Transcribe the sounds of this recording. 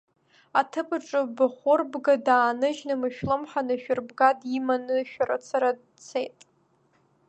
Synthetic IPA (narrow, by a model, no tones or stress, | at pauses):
atʰɨpʰʼɨʈ͡ʂʼɨbaχʷʊrbɡadaːnɨʒnɨmɨʃᶣlɨmħanɨʃᶣʊrbɡadimanɨʃᶣaɾa̰t͡sʰaɾad | t͡sʰejtʼ